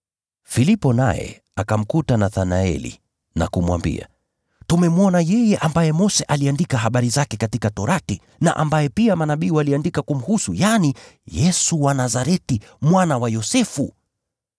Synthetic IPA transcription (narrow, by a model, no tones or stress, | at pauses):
filipɔna̰jɛ̰ | akam̩kutanaθanaɛ̰lḭ | na̰kumwa̰mbḭa̰ | tumɛmuɔnajɛjɛʔambajɛmɔsɛʔaliandikaɦaɓaɾizakɛkatikatɔɾati | na̰ʔa̰mbajɛpiamanaɓiːwaliandikakum̩husujanijɛsuwanazaɾɛti | mwanawajɔsɛfu